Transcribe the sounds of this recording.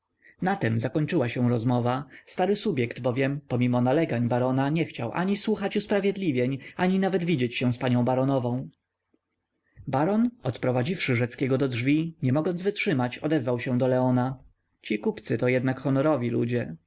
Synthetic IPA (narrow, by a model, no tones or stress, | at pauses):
nat̪ɛmzakɔɲt͡ʂɘwaɕɛ̃w̃ɾɔzmɔvast̪aɾɘsubʲjɛkd̪bɔvʲjɛmpɔmʲimɔnalɛɡaɲbaɾɔnaɲɛxt͡ɕawʔa̰ɲiswuxat͡ɕuspɾavʲjɛd̪lʲivʲjɛɲʔaɲinavɛd̪vʲid͡ʑet͡ɕɕɛw̃spaɲɔ̃w̃baɾɔnɔvɔ̃w̃ | baɾɔnɔt̪pɾɔvad͡ʑifʂɘʐɛt̪skʲɛɡɔd̪ɔdʐvʲiɲɛmɔɡɔnzvɘtʂɘmat͡ɕɔ̰d̪ɛzvawɕɛ̃d̪ɔlɛɔna | t͡ɕikupt̪sɘt̪ɔjɛd̪nakxɔnɔɾɔvʲilṵd͡ʑɛ